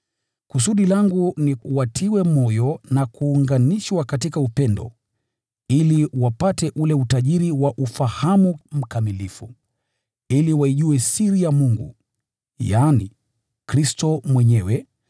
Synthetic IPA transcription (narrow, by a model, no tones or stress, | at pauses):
kus̬uɗilaŋɡuniwatʰiwɛmɔjɔnakuːŋɡaniʃwakatikaupɛndɔ̰ | iliwapatɛʔulɛutaʄiɾiwaʔufahamum̩kamilifu | iliwaiʄuɛsiɾijamuŋɡṵ | jaːnḭ | kɾistɔmwɛɲɛwɛ